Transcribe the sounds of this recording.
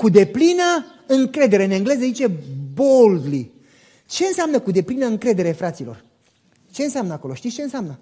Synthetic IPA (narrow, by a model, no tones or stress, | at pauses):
kud̪e̞plinə | ɨŋkɾe̞d̪e̞ɾeɨneɨŋɡle̞zəzit͡ʃe̞bold̪li | t͡ʃe̞ɨnseamnəkud̪e̞plinəɨŋkɾe̞d̪e̞ɾefɾat̪silo̞̰r | t͡ʃe̞ɨnseamnəako̞lo̞ʃt̪it̪st͡ʃe̞ɨnseamnə